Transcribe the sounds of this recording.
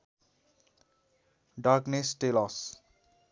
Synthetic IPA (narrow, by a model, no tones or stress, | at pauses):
ɖaknesʈelɔs